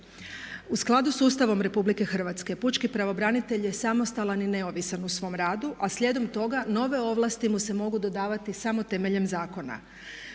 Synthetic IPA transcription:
usklˠad̪usuːst̪aʋo̞mɾe̞publike̞xr̩ʋat̪ske̞put͡ʃkipɾaʋo̞bɾanit̪e̞ʎje̞samo̞st̪alanine̞oʋisanusʋo̞ːmɾaːd̪uʔasʎe̞d̪o̞mt̪o̞ɡano̞ʋe̞o̞ʋlˠast̪imuse̞mo̞ɡud̪o̞d̪aːʋat̪isamo̞t̪e̞meʎemzaːko̞na̰

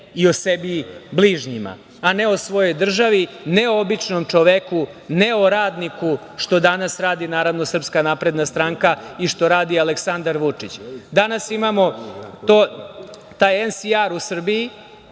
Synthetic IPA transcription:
io̞sebibliːʒɲima̰ | aneo̞sʋo̞jo̞jd̪r̩ʒaʋi | neoobit͡ʂnomt͡ʂoʋekuneoɾaːd̪niku | ʂt̪o̞d̪anasɾaːd̪inaːɾaʋnosr̩pskanapɾe̞d̪nast̪ɾaŋkaiʂt̪o̞ɾaːd̪ialeksand̪aɾʋut͡ʂit͡ɕd̪anasimamo̞t̪o | t̪ajensiaɾusr̩bii

